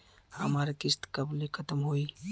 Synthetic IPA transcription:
hɐmaːɾikɪst̪kɐblekʰɐt̪əmɦoːiː

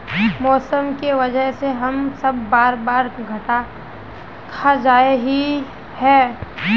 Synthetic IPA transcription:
mɔːsəmkeʋɐd͡ʒəɦseɦɐmsɐbːaːɾbaːɾɡʱɐʈa | kʰad͡ʒaːeɦi | hɛː

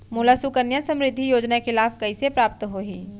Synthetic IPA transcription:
mʊlasukəɾnjãsɐ̃mɾɪd̪ʱːijoːd͡ʒnaexɪlaːfkɐisepɾaːp̚t̪ɦoːɦiː

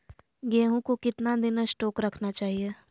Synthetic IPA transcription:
ɡeːɦũkokɪt̪nad̪ɪnsʈɔːkɾɐkʰnat͡ʃaːɦie

